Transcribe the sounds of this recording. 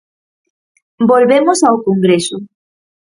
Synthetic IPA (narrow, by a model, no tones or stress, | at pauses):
bolβemʊsaokoŋɡɾesʊ